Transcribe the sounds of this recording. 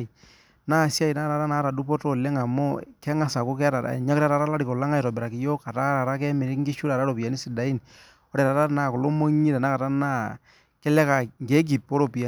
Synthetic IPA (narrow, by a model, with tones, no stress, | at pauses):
i˨ | naː˦˨sja˦i˨na˦ɾa˨ɾa˦naː˨˦ɾa˨du˦pɔ˦to˦˨lɛ˦ŋa˨mo˦kɛ˦ŋa˦sa˨ko˦kɛ˦ɾa˨ɾa̰˨ɲa˦kɾa˦ɾa˨ɾa˦la˦ɾi˨ko˨la˦ŋa˦jɾɔ˨bɛ˨ɾa˨ki˨jo˦ka˨ta˦ɾa˨ɾa˦k̬ɛ˦mɪ˨ɾɪ˦kŋɡi˦ʃu˦ɾa˨ɾa˦ɾo˨pi˨ja˨ni˦si˨da˨i˦n | ɔ˦ɾɛ˨ɾa˨ɾa˦na˨ko˨lo˦mo˦ɲi˦da˨na˦ka˨ta˦na˦ | kɛ˦lɛ˦ka˨ŋɡe˨˦k̬i˨po˦ɾo˨pi˨a˨